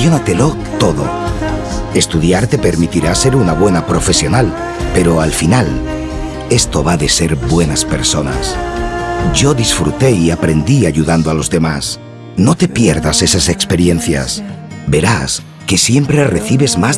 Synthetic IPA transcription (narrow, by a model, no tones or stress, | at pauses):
jo̞nat̪e̞lo̞ | t̪o̞ðo̞̰ | e̞st̪uðjaɾt̪e̞pe̞ɾmit̪iɾase̞ɾunaβ̞we̞napɾo̞fe̞sjo̞nal | pe̞ɾo̞alfinal | e̞st̪o̞βaðe̞se̞ɾbwe̞naspe̞ɾso̞na̰s | ɟ͡ʝo̞ðisfɾṵt̪e̞iapɾe̞nd̪iaʝuðand̪oalo̞zðe̞mas | no̞t̪e̞pje̞ɾðase̞sase̞kspe̞ɾje̞n̟θja̰s | be̞ɾas | ke̞sje̞mpɾe̞re̞θiβe̞zmaz